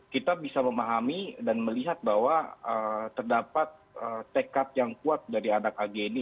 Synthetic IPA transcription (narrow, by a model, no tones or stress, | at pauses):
kit̪abisaməmaɦamidanməliɦat̪̚bawaət̪ərdapat̪̚ət̪ekat̪̚jaŋkuat̪̚daɾianakaɡeni